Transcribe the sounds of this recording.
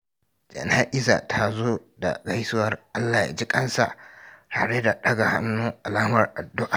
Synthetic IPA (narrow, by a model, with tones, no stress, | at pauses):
d͡ʒɐ̰˨na˦ʔɪ˦za̰˨tʰa˦zoː˦da̰˨ɡa˦jsʊ˦wɐ˨rʔa˦lːaː˨ja̰ː˨d͡ʒi˦kʼɐ˦nsa̰˨ʔta̰ː˨ɽe˦da˨ɗɐ˦ɡa˨ha̰˦nːuː˦ʔa˨laː˦mɐ˨rʔa˨dːʊ˦ʔa˨